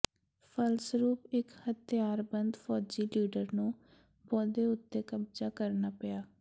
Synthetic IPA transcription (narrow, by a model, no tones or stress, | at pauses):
fʰəlsɾuːpɪkhət̪ɪjaːɾbənd̪pʰɔːd͡ʒiːliːɖəɾnũː | bɔːd̪eːʊt̪ːeːkəbd͡ʒaːkəɾnaːpɪjaː